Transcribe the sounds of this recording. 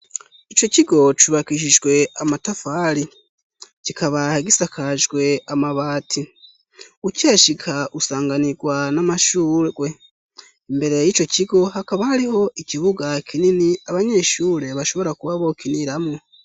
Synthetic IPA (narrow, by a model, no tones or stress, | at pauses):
it͡ʃo̞ciɡo̞t͡ʃuβakiʃ̬iʒɡwe̞amatafaːɾi | cikʰaβaheɡisakʰaʒɡwe̞amaβaːtʰi | ucaːʃikʰaʔusaːŋɡaniɡwanamaʃuːɡwe̞ | mbe̞ɾe̞jiːt͡ʃo̞ciɡo̞ɦakaβahaɾiɦo̞ʔiciβuɡakʰininiaβaɲe̞ːʃuːɾe̞βaʃo̞βo̞ɾakuβaβo̞kiniɾamŋo